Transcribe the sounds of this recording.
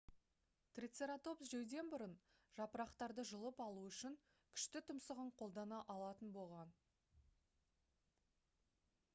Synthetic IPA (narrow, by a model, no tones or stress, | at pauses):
t̪rʲit̪seɾat̪o̞psʒejd̪e̞nbʊɾən | ʒ̥ɑpəɾɑqt̪ɑɾd̪əʒəlˠəpɑlˠuʏʃɪŋ | kʲʰʏ̥ʃt̪ɪt̪ʰʊmsəʁəɴqʰo̞lˠd̪ɑnɑʔɑlˠɑt̪ənbo̞lˠʁɑn